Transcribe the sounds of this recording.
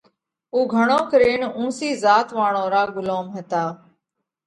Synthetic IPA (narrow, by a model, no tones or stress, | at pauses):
uːɡʱəɳõːkəɾeːnũːsiːzaːt̪ʋaːɳõːɾaːɡʊloːmɦət̪aː